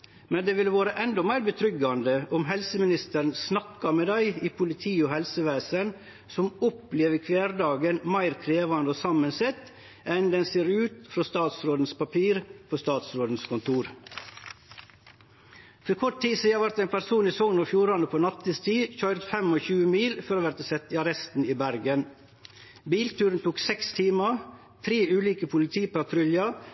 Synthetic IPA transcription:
mɛnd̪eːʋɪlʋoːɾəʔɛnd̪ɔmæɪɾbət̪ʰɾʏɡɑnd̪əʔɔmɦɛlsəmɪnɪst̪əɾnsnɑkːɑmeːd̪æɪiːpʰʊlɪt̪ʰiːoːhɛlsəʋæːsən | sɔmɔpleːʋəkʰʋeːɾɖɑːɡənmæɪɾkʰɾeːʋɑnd̪əoːsɑmənsɛt̪ | ɛnd̪ɛnseːɾʉːt̪fɾost̪ɑːt̪sɾoːd̪n̩spɑpʰiːɾpʰoːst̪ɑːt̪sɾoːd̪n̩skʰɔnt̪ʰuːɾ | fɔkʰɔʈ̚t̪iːsiːɑʋæɾt̪æɪnpæɾsuːniːsɔŋnoːfjuːɾɑnəpʰoːnɑt̪ːəst̪ʰiːçœʏɾt̪fɛmoːçʉːəmiːlfɔɾoːʋæɾt̪əsɛt̪ːɪɑɾɛst̪n̩iːbæɾɡən | biːlt̪ʉːɾənt̪ʰuːksɛkst̪ʰiːmə | t̪ʰɾeːʉːliːkəpʰʊlɪt̪ʰiːpɑt̪ʰɾʏljɑ

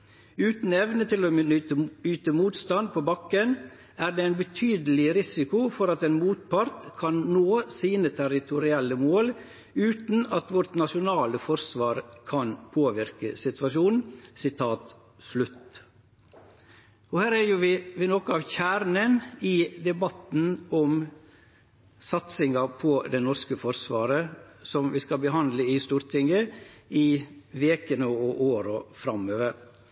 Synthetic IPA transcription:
ʉːt̪n̩ɛʋnət̪ʰɪloːəyːt̪əmuːt̪st̪ɑnd̪̚pʰoːbɑkːən | æːɾd̪eːæɪnbət̪ʰyːd̪əlɪɾɪsɪkʊfɔɾɑt̪eːnmuːt̪̚pɑɾt̪kʰɑnnoːsiːnət̪ʰæɾɪt̪ʰʊɾɪɛlːəmoːl | ʉːt̪n̩ɑt̪ʋɔɾʈ̪nɑʂʊnɑːləfɔɾsʋɑːɾkʰɑnpʰoːʋɪɾkə̰sɪt̪ʋɑʂuːnn̩sɪt̪ʰɑːt̪ | slʉt̪ː | ɔhæːɾæɾjʊʋɪʋɪnɔkəɑʋçæːɾnənɪd̪ɛbɑt̪n̩ɔm | sɑt̪sɪŋɑpʰɔd̪ɛnɔɾskəfɔɾsʋɑːɾəsɔmʋɪskɑbəɦɑnd̪ləɪst̪uːɾt̪ʰɪŋəɪʋeːkənəɔʔoːɾɔfɾɑmøːʋəɾ

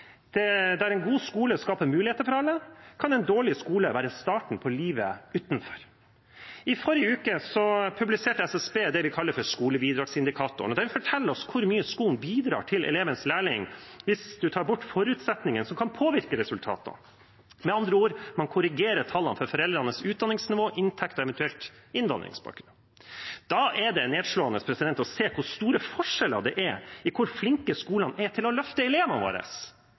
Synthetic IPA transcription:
d̪̥ɛd̪ɛæɾɛɪnɡuːskuːləskɑːpəmʉːlɪeːt̪əɾfɔɾɑlːəkʰɑnɛɪnd̪oːɭɪskuːləʋæːɾəst̪ɑːʈɳ̩pʰɔliːʋə̰ʉːt̪n̩fɔ̥ɾ | ɪfɔɾjəʉːkəsɔpʰʉblɪseːʈəɛsɛsbeːd̪ɛʋɪkʰɑlːəɾfɔʂkuːləbiːd̪ɾɑːɡsɪnd̪ɪkʰɑːt̪ʊ̰ɳɔd̪ɛɾʋɪfɔʈʰɛlːəɾɔskʰʊɾmyːəskuːln̩biːd̪ɾɑ̰ːʈʰɪlʔɛ̰leːʋənslæːɭɪŋʋɪsd̪ʉt̪ʰɑːɾbʊʈːfɔɾʉːt̪sɛt̪nɪŋənsɔmkʰɑnpʰoːʋɪɾkəɾɛsʉlt̪ʰɑ̰ːt̪ɑ̰ | mɛɑnd̪ɾəoːɾmɑnkʰʊɾɪɡeːɾəʈʰɑlːɑnfɔɾfɔɾɛld̪ɾɑnəsʉːt̪̚d̪ɑnɪŋsnɪʋoːʔɪnt̪ʰɛkt̪ɔɛʋɛnt̪ʉɛlt̪ɪnd̪ɑ̰nd̪ɾɪ̰ŋsbɑ̰ːkɾʉn | d̪̥ɑːʔɛd̪ɛneːd̪ʂɭoːɑnəspʰɾɛsɪd̪ɛnt̪ɔseːkʰʊɾst̪uːɾəfɔʂɛlə̰d̪ɛ̰ʔɛɪkʰʊɾflɪŋkəskuːlɑnɛt̪ʰɪlɔlœft̪əɛleːʋənʋo̰ːɾə̰s

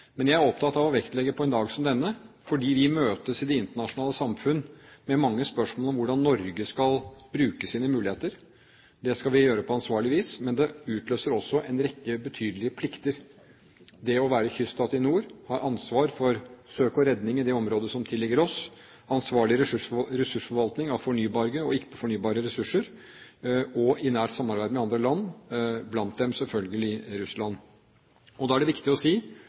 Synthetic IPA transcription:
mɛnjæɪæɾɔpt̪ʰɑt̪ɑʋɔʋɛkt̪lɛɡːəpʰɔɛnd̪ɑːɡsɔmd̪ɛnːə | fɔɖiːʋɪmøːt̪əsɪd̪ɛɪnt̪əɳɑʂʊnɑːləsɑmfʉnːmɛmɑŋːəspœʂmolɔmʋʊɖɑnːɔɾɡəskɑlbɾʉːkəsiːnəmʉːlɪheːt̪əɾ | d̪ɛskɑlʋɪjøːɾəpʰɔɑnsʋɑːɭɪʋiːsmɛnd̪ɛʉːt̪løːsəɾɔsːɔʔɛnɾɛkːəbət̪ʰyːd̪lɪəpʰlɪkt̪əɾ | d̪ɛɔʋæːɾəçʏst̪ɑːt̪ɪnuːɾhɑːɾʔɑnsʋɑːɾfɔɾsøːkɔɾɛd̪nɪŋɪd̪ɛɔmɾoːd̪əsɔmt̪ʰɪlːɛɡəɾɔs | ɑnsʋɑːɭɪɾɛʂʉʂɔɾɛsʉʂfɔɾʋɑlt̪nɪŋɑʋfɔɳyːbɑːɾɡəɔɪkːə̥pʰɔ̥fɔɳyːbɑːɾəɾɛsʉʂəɾ | ɔɪnæːʈsɑmːɑɾbæɪd̪mɛɑnd̪ɾəlɑnːblɑnt̪̚d̪ɛmsɛlfœlɡəlɪɾʉslɑn | ɔd̪ɑæɖɛʋɪkt̪ɪɔsiː

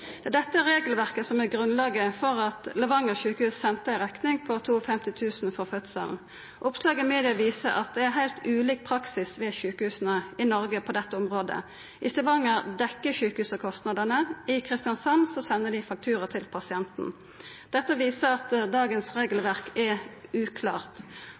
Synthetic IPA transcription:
d̪̥ɛd̪ɛt̪ːəæʁeːɡlʋæʁkəsɔmæɡʁʉnlɑːɡəfɔʁɑt̪lɛʋɑŋəçʉːkəhʉːssɛnt̪əɪʁɛknɪŋpʰɔt̪ʰuːɔfɛmt̪ɪt̪ʰʉːsn̩fɔʁfœt̪sə̰ln | ʔʊpslɑːɡɪmeːd̪ɪɑʋiːsəʔɑ̰t̪̚d̪ɛæʁɦæɪlt̪ʉːliːk̚pʰʁɑksɪsʋɛçʉːkəhʉːsənəɪnɔʁɡəpʰɔd̪ɛt̪ːəʊmʁoːd̪ə̰ | ʔɪst̪ɛʋɑŋəʁd̪ɛkːəçʉːkəhʉːsəkʰɔst̪nɑd̪ənəɪkʰʁɪst̪ɪɑnsɑnsɔsɛnːəd̪ɪfɑk̚t̪ʰʉːʁət̪ʰɪlpʰɑsɪɛnt̪n̩ | d̪̥ɛt̪ːəʋiːsəɑt̪d̪ɑːɡənsʁeːɡəlʋæʁkɛʉːkʰlɑ̰ːʁt̪

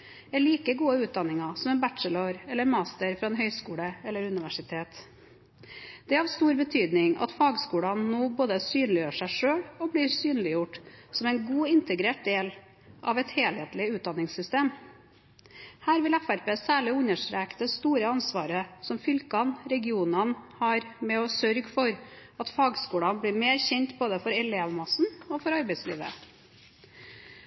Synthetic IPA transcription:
ɛɭiːkəɡuːəʉːt̪̚d̪ɑnːɪŋɑsɔmɛnbæʈʂələɾɛlːəɾmɑːst̪əɾfɾɑɛnɦœʏskuːɽəɛlːəɾʉnɪʋæʂɪt̪ʰeːt̪ | d̪̥ɛɑʋst̪uːɾbət̪ʰyːd̪nɪŋɑ̰t̪fɑːɡskuːɽɑnnoːboːd̪əsyːnlɪjøːʂæɪʂøːɽɔbliːɾsyːnlɪjʊʈsɔmɛɪnɡuːɪnt̪əɡɾeːʈ̚d̪eːl | ʔɑʋɛt̪heːlheːt̪lɪʉːt̪d̪ɑnːɪŋsʏst̪eːm | hæːɾʋɪlæfæɾpeːsæːɭɪʉɲːəʂʈɾeːkd̪ɛst̪uːɾəɑnsʋɑːɾəsɔmfʏlkɑnɾɛɡɪuːnɑnhɑːɾmɛɔsœɾɡfɔɾɑt̪fɑːɡskuːɽɑnbliːmeːɾçɛɲt̪boːd̪ɛfɔɾɛleːʋmɑsn̩ɔfɔɾɑɾbɛɪslḭːʋə̰

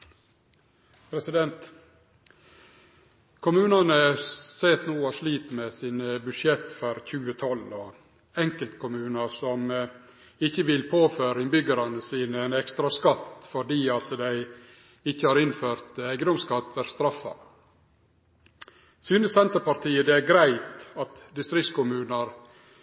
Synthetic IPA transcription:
pʰɾɛsɪd̪ɛnt̪ | kʰʊmʉːnɑnəseːt̪nuːɑʂliːt̪mesiːnəbʉʃjɛt̪ːfɔɾçʉːət̪ʰɔlɔ | ɛŋkəlt̪kʰʊmʉːnəsɔm | ɪçːəʋɪlpʰoːføːɾɪnbʏɡəɾɑnəsiːnəɛnɛkst̪ɾɑskɑt̪ːfɔɖiːɑt̪d̪æɪ | ɪçːəhɑːɾɪnføːɾt̪æɪɡənd̪ɔmskɑt̪ːʋæɾst̪ɾɑfːɑ̰ | syːnəsɛnt̪əpɑɾt̪iːəd̪ɛæɾɡɾæɪt̪ɑt̪d̪ɪst̪ɾɪkskʰʊmʉːnəɾ

